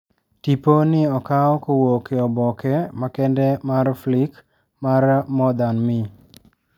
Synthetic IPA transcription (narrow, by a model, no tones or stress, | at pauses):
tiponɪɔkaɔkowokeɔbɔkɛmakɛndɛmarflik | marmɔd̪anmɪ